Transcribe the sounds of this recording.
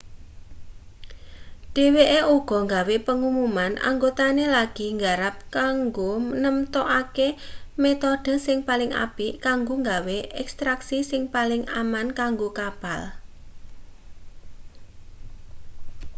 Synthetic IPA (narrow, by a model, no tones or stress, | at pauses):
ɖ̥e̤weʔeuɡ̥ɔ̤ŋɡawepəŋumumanʔa̰ŋɡot̪anelaɡ̥i̤ŋɡaɾap̚kaŋɡomnəmt̪ɔʔakemet̪ɔɖ̥ə̤sɪŋpalɪŋʔa̰pikaŋɡoŋɡaweʔɛkst̪ɾaksisɪŋpalɪŋamankaŋɡokab̥al